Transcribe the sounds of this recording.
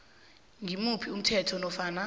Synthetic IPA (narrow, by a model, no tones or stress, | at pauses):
ŋimupʰium̩tʰɛtʰɔnɔfaːna